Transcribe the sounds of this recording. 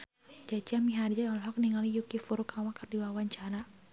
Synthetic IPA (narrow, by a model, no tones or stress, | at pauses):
d͡ʒat͡ʃiamiɦard͡ʒaɔlɦɔk̚niŋalijukifuɾukʰawakərdiwawaɲt͡ʃana